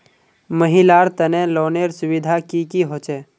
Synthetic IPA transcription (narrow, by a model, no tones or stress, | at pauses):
məɦɪlaːɾt̪ənẽloːneɾsʊʋɪd̪ʱakikiɦoːt͡ʃeː